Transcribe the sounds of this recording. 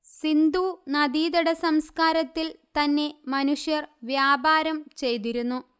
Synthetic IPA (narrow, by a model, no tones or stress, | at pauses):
sind̪unɐd̪iːd̪ɐɽɐsɐmskaːɾɐt̪ːilt̪ɐnːe̞mɐnuʂjɐrʋjaːbaːɾɐmt͡ɕe̞jt̪iɾunːu